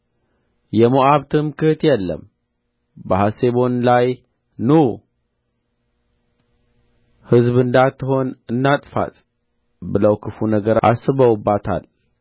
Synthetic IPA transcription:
jɛmoʔaβt̪ʰɨmkɨht̪jɛlːə̰m | bəhase̞βo̞nlaj | nu | hɨzβɨnd̪at̪ʰːɨho̞nɨnːat̪ʼfa̰t̪ | bɨləwkʰɨfunəɡəɾʔa̰sːɨβəwɨbːat̪ʰa̰l

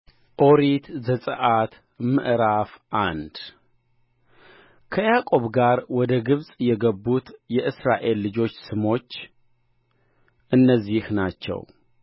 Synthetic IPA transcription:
ʔo̞ɾit̪zəsʼəʔat̪ | mɨ̰ʔɾafʔand̪ | kʰəjakʼo̞βɡaɾwɔd̪əɡɨβsʼjɛɡəbːut̪jɛʔɨsɾaʔe̞lːɨd͡ʒo̞t͡ʃːsɨmo̞t͡ʃː | ʔɨnːəzːihnat͡ʃːɛ̰w

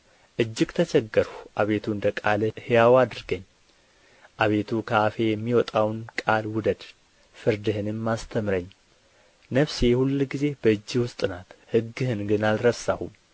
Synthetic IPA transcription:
ʔɨd͡ʒːɪɡt̪ʰət͡ʃɛɡːəɾuʔaβe̞t̪ʰuɨnd̪əkʼalhejawad̪ɨɾɡəɲː | ʔaβe̞t̪ʰukʰaafe̞jɛmːiwɔt̪ʼawnkʼalwʊd̪əd̪ | fɨɾd̪ɨhɨnɨmːast̪ʰəmɾəɲː | nəβsejhulːɡize̞bəɨd͡ʒːɨwʊst̪ʼɨnat̪hɨɡːɨhɨnɡɨnalɾəsahum

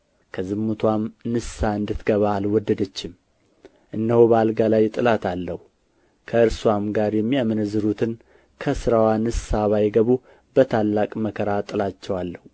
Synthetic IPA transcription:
kʰəzɨmːut̪ʰwamnɨsaɨnd̪ɨt̪ɡəβaːlwɔd̪ːəd̪ət͡ʃːɪm | ʔɨnːəhobəalɡalajt̪ʼɨlat̪ʰalːəhu | kʰəɨɾswamɡaɾjɛmːiamɨnzɨɾut̪ʰɨn | kʰəsɨɾawanɨsaβajɡəβu | bət̪ʰalːakʼməkʰəɾat̪ʼɨlat͡ʃːɛwalːəhu

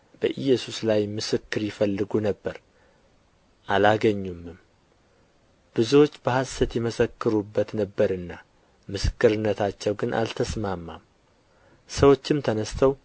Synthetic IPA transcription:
b̥əʔɨjːɛsuslajmɨsɨkːɨɾjɪfəlːɨɡunəbːəɾ | ʔalaɡəɲːumːɨm | b̥ɨzuwo̞t͡ʃːbəhasət̪jɛməsəkːɨɾubːət̪nəbːəɾɨnːa | mɨsɨ̥kːɨɾɨnːət̪ʰat͡ʃːɛwɡɨnʔa̰lt̪ʰəsmamːa̰m | səwo̞t͡ʃːɪmt̪ʰənəst̪ʰəw

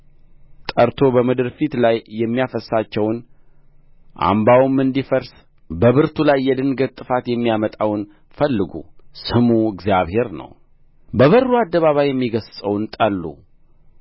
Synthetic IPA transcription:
t̪ʼəɾt̪ʰo̞bəmɨd̪ɨɾfit̪lajːɛmːijafəsːat͡ʃːɛwn | ʔa̰mbawɨmːɨnd̪ifəɾs | bəβɨɾt̪ʰulajːɛd̪ɨnɡət̪t̪ʼːɨfat̪jɛmːijamət̪ʼawn | fəlːɨɡṵsɨmuɨɡzijaβhe̞ɾnə̰w | bəβərːuad̪ːəβaβajɛmːiɡəssʼəwnt̪ʼəlːṵ

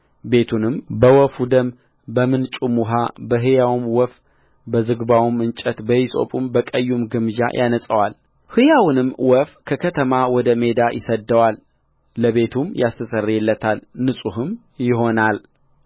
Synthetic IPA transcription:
be̞t̪ʰunɨmbəwɔfud̪əm | bəmɨnt͡ʃʼumuɦabəɦɨjawmwɔf | bəzɨɡbawumɨnt͡ʃʼət̪bəjisʼo̞̰pʼumbəkʼəjːumɡɨmd͡ʒa̰jʔanəsʼəwal | hɨjawnɨmwɔfkʰəkʰət̪ʰəmawɔd̪əme̞d̪ajʔɪ̰səd̪ːəwalː | əβe̞t̪ʰumjast̪ʰəsərːjɛlːət̪ʰalnɨsʼuɦɨm | jɪɦo̞nal

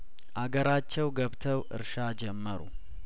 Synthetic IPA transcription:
ʔaɡəɾat͡ʃːɛwɡəβt̪ʰəwʔɨ̰ɾʃad͡ʒɛmːəɾṵ

